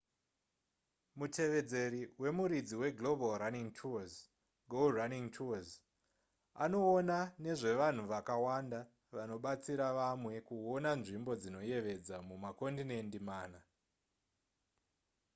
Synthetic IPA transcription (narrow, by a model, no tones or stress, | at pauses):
mutʰe̞ʋe̞d͡ze̞ɾiwe̞muɾid͡ziwe̞ɡlo̞bʱalraniŋtʰuaz | ɡʱolraniŋtʰuaz | a̰no̞ːnane̞ʐe̞ʋan̤uʋakawanda | ʋano̞ɓat͡siɾaʋamwe̞kuonanʐimbo̞d͡zino̞je̞ʋe̞d͡zamumako̞ndine̞ndimaːna